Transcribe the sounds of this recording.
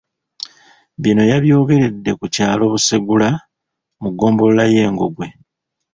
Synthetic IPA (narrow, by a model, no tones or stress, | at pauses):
βino̞jaβjo̞ːɡe̞ɾe̞dːe̞kucaːlo̞ːβusiɡula | muɡo̞ːmbo̞llaje̞ːŋɡo̞ɡwe̞